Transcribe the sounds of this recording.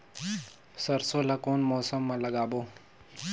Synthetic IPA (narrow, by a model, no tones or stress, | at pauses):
sɐɾsoːlakoːnmoːsəmːãlɐɡaːboː